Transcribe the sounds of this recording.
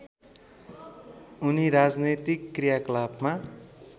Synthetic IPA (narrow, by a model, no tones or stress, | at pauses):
uniɾad͡znet̪ikːrijaklabma